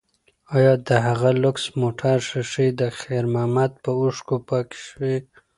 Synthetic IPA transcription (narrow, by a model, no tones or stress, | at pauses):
ɑjɑd̪əɦaɣalʊksmoʈʰaɾʃaʂid̪əxeɾmamat̪̚pəuʂkupaki̥ʃwi